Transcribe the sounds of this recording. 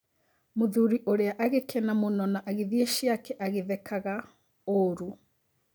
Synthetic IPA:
moðuɾiʔoɾeaʔaɣekʰɛnamonɔnaʔaɣeðieʃjakɛʔaɣeðɛkaɣa | oɾu

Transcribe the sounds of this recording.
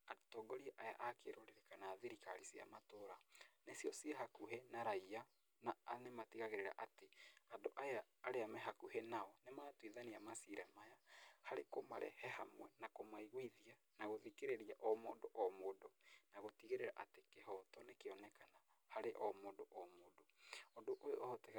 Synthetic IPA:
aotɔːɡɔɾieʔaja̰ʔakeɾoɾeɾekanaːðiɾikaɾisia̰matoɾanesiɔsieɦakuɦenaɾaia | nanematiɣaɣeɾeɾa̰ʔateandoʔajaːɾeamɛɦakuhɛnaɔnematwiðaniamasiɾɛmajahaɾekoma̰ɾɛ̰hɛhamwɛnakomaiɣwiðia | naɣoðikeɾeɾiaʔɔmodoʔɔmodɔnaɣotiɣeɾeɾaʔatekeɦɔtɔnekeɔnɛkana | haɾeʔɔmodoʔɔmodoɔdoʔojo̰ʔɔɔtɛk

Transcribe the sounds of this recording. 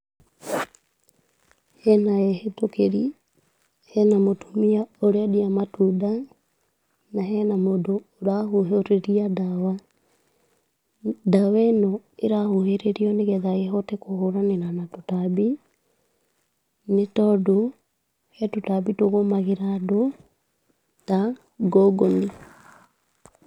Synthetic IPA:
hɛnaɛhetokeɾi | hɛnamotumiaoɾeɔdiamatuda | naɦɛnamodoːɾahoɦoɾeɾiadawa | dawɛnɔ | eɾahoheɾeɾiɔneɣɛðaɣeɦɔtɛkohoɾanenanatotabi | netɔdo | hɛtotabitoɣomaɣeɾado | ta | ɡɔɡoni

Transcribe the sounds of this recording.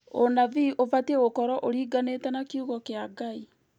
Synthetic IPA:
onaviʔovatiɛɣokɔɾɔʔoɾiːɡanetɛnakiuɣɔkeaɡai

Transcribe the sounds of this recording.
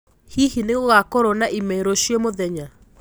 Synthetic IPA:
hihineɣoɣakɔɾɔnaʔimɛeɾoʃiɔmoðɛɲa

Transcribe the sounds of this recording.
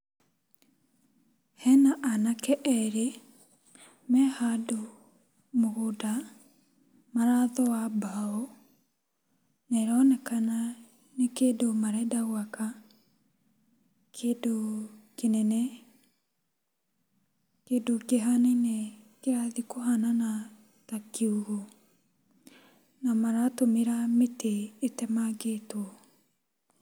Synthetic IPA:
hɛnaʔanakɛʔɛɾe | mɛhado | moɣoda | maɾaðɔwabaɔ | neɾɔnɛkana | nekedomaɾɛdaɣwaka | kʰedokenɛnɛ | kedokeɦanɛnɛkeɾaðikoɦanana | takeuɣo | namaɾatomeɾameteːtɛmaɡetwɔ

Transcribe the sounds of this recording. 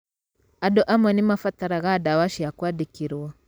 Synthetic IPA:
adɔʔamwɛnimafataɾaɣadawaʃijakwadikiɾwa

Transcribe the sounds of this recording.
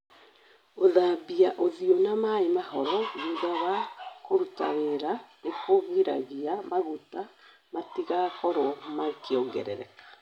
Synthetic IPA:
oðabiaʔoðiɔnamaemahɔɾɔɲuðaβakoɾuta̰ɣeɾanekoɣwiɾa̰ɣiamaɣuta | matiɣakɔɾɔmakeɔŋɡɛ̰ɾɛ̰ɾɛ̰kḁ

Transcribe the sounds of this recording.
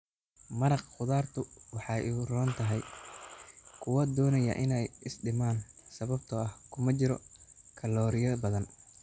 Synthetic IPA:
mɐɾɑqqʊðaːrt̪ʰʊwɑħɑjɪrɔːnt̪ʰɐɦɛj | kʰʊwɐd̪ɔːnɐjɐ̰ʔɪnɛjɪsɖɪmaːnsɐβɐbt̪ʰɔɐhkʰʊmɐt͡ʃɪɾɔ | kʰɐlɔːɾɪjɐbɐðɐn

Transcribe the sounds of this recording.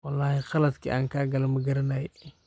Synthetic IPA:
wɐlːɑːhixɐlɐt̪kḭʔa̰ːŋkaːɡɐlɐmɐɡɐɾɐnaj

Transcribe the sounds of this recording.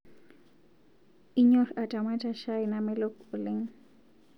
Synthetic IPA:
ɪɲoɾaʈ͡ʂamat͡ʃaʃajnamɪlokʊlɪŋ

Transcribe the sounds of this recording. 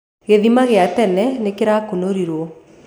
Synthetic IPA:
ɣeðimaɣeatɛnɛnekeɾakonoɾiɾwɔ

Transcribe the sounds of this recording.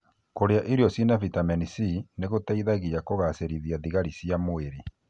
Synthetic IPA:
koɾeaʔiɾiɔsinavitamɛnisineɣotaiðaɣijakoɣaseɾiðiaðiɣaɾisjamoeɾe

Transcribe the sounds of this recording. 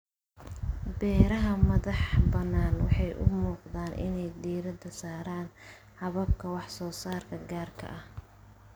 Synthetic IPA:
bɛːɾɐɦɐmɐðɑħbɐnːaːnwɑ̰ħɑjʔʊ̰muːqd̪aːnʔɪ̰nɛjd̪iːɾɐd̪ɐsaːɾaːn | ħɑβɐb̚kʰɐwɑħsɔːsaːrkʰɐɡaːrkʰɐ̰ʔɐh

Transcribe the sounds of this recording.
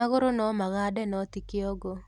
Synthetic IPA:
aɣoɾonɔmaɣadɛnɔtikeɔɡo

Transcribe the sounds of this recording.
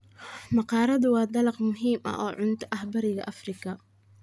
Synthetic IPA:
mɑqɑːɾɐðʊwɑːd̪ɐlɐqmʊɦiːmʔɐ̰ʔɔːʕʊnt̪ʰʔɐhbɐɾɪɣɐʔɐfrɪkʰɐ

